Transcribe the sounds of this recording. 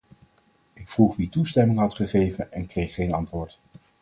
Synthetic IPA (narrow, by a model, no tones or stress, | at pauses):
ɪkfruχʋitustɛmɪŋɦɑtχəχejvənɛnkrejχːejnɑntʋʊːɹt